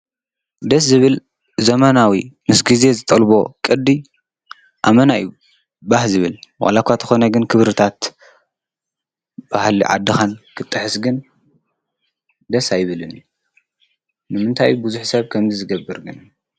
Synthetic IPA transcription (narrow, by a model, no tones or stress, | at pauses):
d̪ɐszɨβɨl | zɐmanawimɨsɡize̞zɨt̪ʼɐlbo̞kʼɨd̪ːi | ʔamɐnaju | bahzɨβɨlwa̰lakʷʰːat̪ʰɨxo̞nɐɡɨnkʰɨβɾɨt̪ʰat̪ | b̥ahliʕa̰d̪ːɨxankʰɨt̪ʼːɨħɨsɡɨn | d̪ɐsajɪβɨlɨnu | nɨmɨnt̪ʰajːubuzuħsɐβkʰɐmzizɨɡɐbːɨɾɡɨn